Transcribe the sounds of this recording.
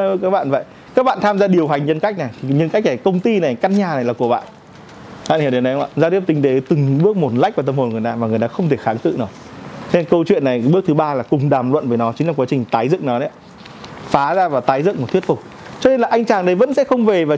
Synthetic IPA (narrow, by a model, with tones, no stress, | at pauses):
kaː˦˥k̚ɓa̰ː˧˨nvə̰˧˨j | kaː˦˥k̚ɓa̰ː˧˨nt̪ʰaː˧mzaː˧ɗi˨˩əwɦa˨˩jŋ̟ɲə˧nka˦˥k̚na˨˩jʰi˨˩ɲə˧nka˦˥jk̚na˨˩jkə˧wŋ͡mt̪i˧na˨˩jka˧nɲaː˨˩na˨˩jlaː˨˩ku˧˩əɓa̰ː˧˨n | ɓa̰˧˨hi˧˩ɗi˨˩nə˨˦jhŋ͡mʔa̰ː˧˨zaː˧t̪i˦˥əp̚tï˨˦ŋ̟t̪e˨˦t̪ɨ˨˩ŋɓɨ˦˥ək̚mo˨˩t̚l̰k̚vaː˨˩t̪ə˧mho˨˩nŋɨ˨˩əjtaː˧maː˨˩ŋɨ˨˩əjt̪aː˧xə˧wŋ͡mt̪ʰe˧˩xaː˨˦ŋkɨ̰˧˨naː˨˩ | t̪ʰnkə˧wt͡ɕwḭ˧˨ənːa˨˩jɓɨ˦˥ət̪ɨ˨˦ɓaː˧laː˨˩kʊ˨˩ŋ͡mɗaː˨˩mlwə̰˧˨nvəː˨˦jnɔ˨˦t͡ɕï˨˦ŋlaː˨˩kwaː˨˦t͡ɕï˨˩ŋ̟t̪aː˨˦jzɨ̰˧˨ŋnɔ˨˦ɗə˨˦˧ | faː˨˦zaː˧vaː˨˩t̪aː˨˦jzɨ̰˧˨ŋmo˨˩t̪ʰwi˦˥tfʊ˨˩k͡p̚ | t͡ɕɔ˧ne˧nlaː˨˩ʔa˧jŋ̟t͡ɕaː˨˩ŋɗə˨˦jvə̰˧˥nsɛ̰˧˥xə˧wŋ͡mve˨˩vaː˨˩